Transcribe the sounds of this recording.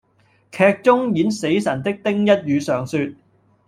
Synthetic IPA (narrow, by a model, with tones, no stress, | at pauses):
kʰɛː˧k̚t͡sʊ˥ŋjiː˨˥nse˨˥jsɐ˨˩nt̪ɪ˥k̚t̪ɪ˥ŋjɐ˥t̚jyː˨˧sœː˨˩ŋsyː˧t̚